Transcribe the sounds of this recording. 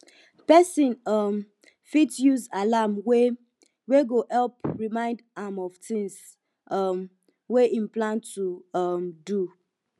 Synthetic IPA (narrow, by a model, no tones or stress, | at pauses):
pɛsĩnam | fitjuzalamwe | weɡohɛlpɹimãɪ̃ndãmɔvtĩŋs | ʌm | weʔĩmplãntuʌmdu